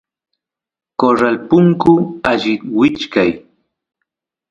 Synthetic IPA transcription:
koɾalpʊŋkʊaʎɪwɪt͡ʃkaj

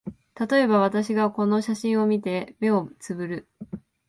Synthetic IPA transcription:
t̪at̪o̞e̞baβ̞at̪aɕiɡako̞no̞ɕaɕĩɰ̃o̞mʲit̪e̞me̞o̞t͡sɨbɯ̟ɾɯ̟

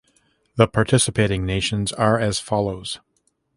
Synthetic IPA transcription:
ðəpʰɑɹtʰɪsɨpʰeɪɾɪ̃ŋneɪʃɨ̃nzə˞ɨz̥fɑlˠoʊz̥

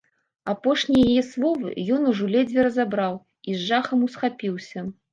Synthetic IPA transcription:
apɔʂnʲijajɛslˠɔvɨ̰jɔnuʐɔlʲɛd͡zʲvʲɛɾɐzabɾaw | izʐaxɐmusxapʲiwsʲɐ

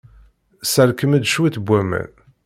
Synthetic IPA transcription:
səɾkəmæd̪ʃwiθbʷːæmæ̰n

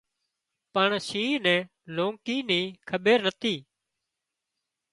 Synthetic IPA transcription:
pəɳsiːnɛ̃ː | loːŋkiːniːkʰəɓeːɾnət̪ʰiː

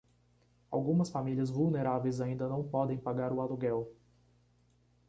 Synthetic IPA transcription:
awɡũmɐsfamiliɐzvulneɾavejzaĩnd̪ɐnɐ̃w̃pɔd̪ẽj̃paɡaɾʊaluɡɛw

